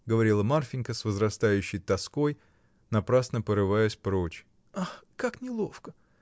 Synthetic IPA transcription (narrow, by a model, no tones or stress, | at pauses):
ɡəvɐɾʲilˠəmarfʲɪnʲkəsvəzɾɐst̪ajʉɕːɪjt̪ɐsko̞j | nɐpɾasnəpəɾɨvajʊsʲpɾot͡ɕ | axkaknʲɪlˠo̞fkə